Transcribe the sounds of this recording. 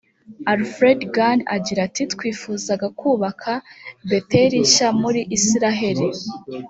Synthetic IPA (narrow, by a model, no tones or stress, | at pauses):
aɾfɾedɡana̰ɟiɾatʰitkwiːfuːzaɡakuːβakʰabe̞teɾiʃamuɾiʔːsiɾaɦe̞ɾi